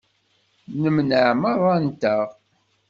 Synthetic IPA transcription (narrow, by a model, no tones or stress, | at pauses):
nəmnəʕməɾˤɑnt̪əʁ